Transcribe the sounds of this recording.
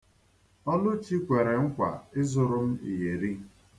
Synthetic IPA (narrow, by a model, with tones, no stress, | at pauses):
ɔ˦nʊ˦t͡ʃi˦kʷe˨ɾe˨ŋ̩˦kʷa̰˨ɪ˦zʊ˨ɾʊ˦m̩˦ḭ˨ɦe˨ɾi˦